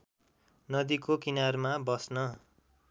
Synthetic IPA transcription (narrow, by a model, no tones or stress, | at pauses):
nʌd̪ikokinarmabʌsnʌ